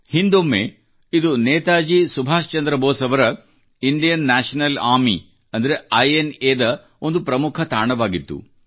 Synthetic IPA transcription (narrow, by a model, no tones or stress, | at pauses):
hind̪omːḛ | id̪uneːt̪aːd͡ʒisubʱaːʂt͡ʃɐnd̪ɾɐbɔːsɐʋɐɾɐ | iɳɖijɐnːaːʂɐnɐlaːmi | ɐnd̪ɐɾeɐjeneːd̪ɐ | ond̪upɾɐmukʰɐt̪aːɳɐʋaːɡit̪ːṵ